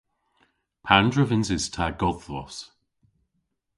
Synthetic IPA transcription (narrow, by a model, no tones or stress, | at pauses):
pʰandɹəvɪnzɪz̥tʰaɡ̥ɔðlɔ̰s